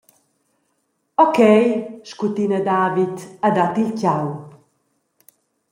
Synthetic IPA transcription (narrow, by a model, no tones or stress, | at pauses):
ɔkɛjʃkut̪inad̪aːvit̪ad̪at̪ilcaw